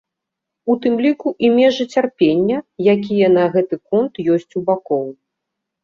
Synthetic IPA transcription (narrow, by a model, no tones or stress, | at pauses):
ut̪ɨmlʲikuʔimʲɛʐɨt͡sʲarpʲenʲːɐjakʲijɐnɐɣɛt̪ɨkɔnt̪jɔsʲt͡sʲubakɔw